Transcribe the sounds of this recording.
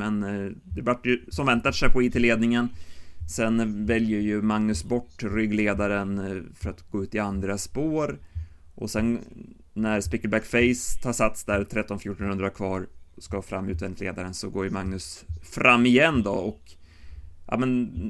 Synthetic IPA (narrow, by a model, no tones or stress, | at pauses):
mɛnd̪ɛbaʈːjɵsɔmvɛnt̪aʂɛjpʰɔiːt̪ʰɪleːd̪nɪŋənsɛnvɛljəɾjɵmaŋnɵsbɔʈːɾʏɡleːd̪aɾənfœɾat̪ɡoːʉ̟ːt̪ɪand̪ɾaspoːɾ | ʔɔ̰sɛn | næɾspɪkːəlbækfɛɪst̪ʰɑːʂat̪sd̪æɾt̪ʰɾɛt̪ːɔnfjuːʈɔnhɵnd̪ɾakʰvɑːɾskafɾa̰mːʉ̟ːt̪vɛɪt̪lḛːd̪aɾənsɔɡoːɾjəmaŋnɵsfɾamːɪjɛnːd̪ɔɔk | jʔɑ̰ːmɛn